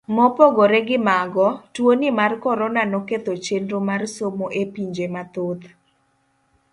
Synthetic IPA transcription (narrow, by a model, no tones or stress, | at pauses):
mɔpoɡoɾeɡɪmaɡɔtwonɪmarkɔɾɔnanɔket̪ot͡ʃendomarsomoʔepiɲd͡ʒemat̪ot̪